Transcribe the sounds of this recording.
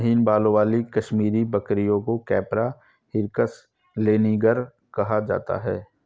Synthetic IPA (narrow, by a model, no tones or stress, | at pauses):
ɦiːnbaːlõʋaːlikɐʃmiːɾibɐkɾijõkokɛːpɾa | hɪɾkəs | leːniːɡəɾ | kɐɦad͡ʒa̰ːt̪a̰ɦɛː